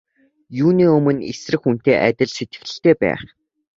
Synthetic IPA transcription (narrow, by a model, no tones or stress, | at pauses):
juːniːɵmɵ̆nesrɘ̆xun̥t̪eːʔæt̪ʲɪ̆ɮset̪ɡɘ̥̆xɮɘ̆ɬt̪eːpæ̰ːχ